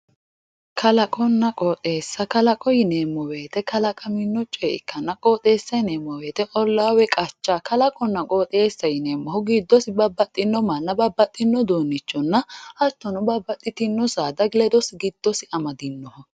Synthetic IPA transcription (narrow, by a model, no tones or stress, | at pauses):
kʰɐlɐkʼɔnːɐkʼɔːt̪ʼe̞ːsːɐkɐlɐkʼɔjɪneːmːɔweːt̪ɛkɐlɐkʼɐmɪnːɔt͡ʃʼɔɪkːɐnːɐkʼoːt̪ʼe̞ːsːɐneːmːɔwe̞ːt̪ɛʔɔlːaːwɛkʼɐt͡ʃːaːkɐlɐkʼɔnːɐkʼoːt̪ʼe̞ːsːɐjɪneːmːɔɦɔɡiːd̪ːɔsɪbɐbːɐt̪ʼːɪnːɔmɐnːɐbɐbːɐt̪ʼːɪnːɔd̪oːnːɪt͡ʃːɔnːɐʔɐt̪ːɔnʊbɐbːɐt̪ʼːɪt̪ɪnːɔsaːd̪ɐɡlɛd̪ɔsɪɡɪd̪̥ːɔsɪɐmɐd̪ɪnːɔhɔ